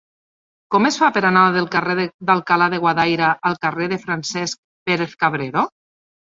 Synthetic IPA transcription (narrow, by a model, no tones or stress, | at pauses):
kɔmesfapeɾanaðelˠkareððalˠkalaðeɣwaðajɾaʔːlˠkareðefɾansɛsk̚ | peɾeθkaβ̞ɾeɾo